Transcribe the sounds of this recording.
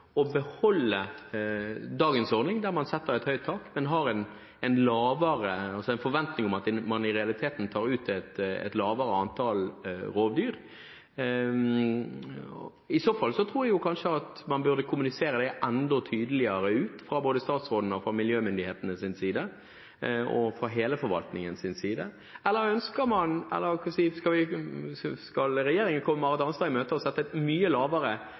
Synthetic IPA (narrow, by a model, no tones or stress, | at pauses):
ɔbəhɔlːə | d̪ɑːɡənsɔɾnɪŋd̪æʁmɑnsɛt̪ːəɾɛt̪hœʏt̪ʰːɑːkmɛnɦɑɾɛn | ɛnlɑːʋəɾəɑlsɔɛnfɔɾʋɛnt̪nɪŋʊmɑt̪ɛmɑnɪɾɛɑlɪt̪ʰeːt̪n̩t̪ʰɑːɾʉːt̪ɛt̪ɛ̰t̪lɑːʋəɾəɑnt̪ʰɑlɾoːʋd̪yːɾ | ɪsoːfɑlsɔt̪ʰɾuːjæjʊkʰɑnʂəɑt̪mɑnbʉʁd̪əkʰʊmʉnɪseːɾəd̪ɛʔɛnd̪ɔt̪ʰyːd̪əlɪəɾəʉːt̪fɾɑboːd̪əst̪ɑːt̪sʁoːd̪n̩ɔfɾɑmɪljøːmʏnd̪ɪheːt̪ənəsɪnsiːd̪ə | ɔ̰fɾɑɦeːləfɔɾʋɑ̰lt̪nɪŋənsɪnsiːd̪ə | ɛlːəɾœnskəɾmɑnɛ̰lːəɾkʰɑsiskɑlʋɪ | skɑlɾɛjeːɾɪŋənkʰɔməmɑʁɑt̪ɑnst̪ɑːɪmøːt̪əɔsɛt̪ːəmyːəlɑːʋəɾə